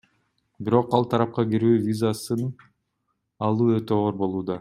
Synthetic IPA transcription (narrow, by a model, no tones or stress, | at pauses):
biɾo̞qɑlˠt̪ʰɑɾɑp̚qɑɡiɾyːvʲizasɯn | ɑlˠuːøt̪øoːɾbo̞lˠuːd̪ɑ